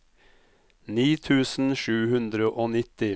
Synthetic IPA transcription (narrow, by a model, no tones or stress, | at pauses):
niːt̪ʰʉːsn̩ʃʉːhʉnd̪ɾəʔoːnɪt̪ɪ